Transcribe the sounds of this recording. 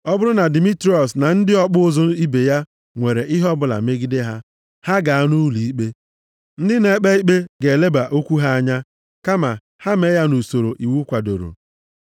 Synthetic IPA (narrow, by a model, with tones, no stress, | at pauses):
ɔ˦bʊ˦ɾʊ˦na˨di˨mi˦tɾi˦ɔ˨sna˨n̩˦dɪ˦ɔ˦k͡pʊ˦zʊ˦i˦be˨ja˦ | ŋʷe˨ɾe˨ʔɪ˦ɦɔ˦bʊ˦˨la̰˨me˦ɡi˦de˦ɦa˦ | ha˦ɡa˨a˦nu˦li˨i˦k͡pe˦ | n̩˦dɪ˦ne˦k͡pe˦i˦k͡pe˦ɡe˨le˦ba˨ʔo˦kʷu˦ɦa˦a˦ɲa˦ | ka˦ma˨ | ha˦me˦ja˦nu˨so˨ɾo˨ʔi˨wu˦kʷa˨do̰˨ɾo̰˨